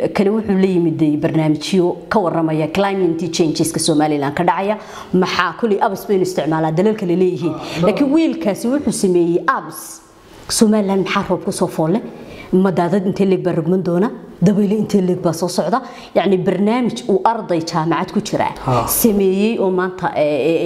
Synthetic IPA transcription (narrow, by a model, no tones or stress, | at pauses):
kʰɐlɛwʊħuːlɐjɪmɪd̪ɛjbɐrnaːmɪt͡ʃɔkʰɐwɑrɐmɐjɐklajmɛnt̪ʰit͡ʃɛjnt͡ʃɪskʰɐsɔːmaːlɪlaːnd̪kʰɐɖɑʕɑjɐ | mɐħɑːkʰɔlɪʔɐβsbɛjnʊɪst̪ʰɪʕmaːlaːd̪ɐlɐlkʰɐlɛlɛːjɪɦiːnlaːkʰinwiːlkʰaːsɪwʊħuːsɐmɛːjɛjʔɐbs | sɔːmaːlɪlaːnd̪mɐħaːrɔːb̚kʰʊsɔːfɔːlɛmɐd̪aːðɐd̪ɪnt̪ʰɛlɛɡ̚baːrɔɡmɐnd̪ɔːnɐd̪ɐβɛːlɛɪnt̪ʰɛliɡ̚baːsɔːsɔʕd̪ɐ | jaʕnɪbɐrnaːmɪt͡ʃuːʔɐrd̪ɐjt͡ʃʰaːmɑʕad̪kʰʊt͡ʃɪɾa̰ːsɐmɛːjɛjʔɔːmaːnt̪ʰɐ̰ʔɛ